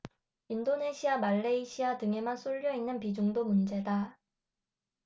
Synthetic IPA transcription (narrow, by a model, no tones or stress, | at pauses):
indone̞ɕʰiamaɭːeiɕʰiatɯŋe̞mansʰuʎːʌinːɯnpid͡ʑuŋdomund͡ʑe̞da